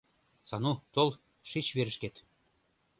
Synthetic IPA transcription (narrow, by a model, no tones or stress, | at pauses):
sɑnut̪olˠ | ʃit͡ɕβeɾɘ̆ʃket̪